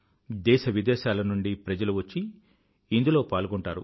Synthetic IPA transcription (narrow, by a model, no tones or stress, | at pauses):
d̪ɛːʃɐʋid̪ɛːʃaːlɐnuɳɖipɾɐd͡ʒɐluʋɐt͡ʃːiː | nd̪ulo̞ːpaːlɡoɳʈaːɾṵ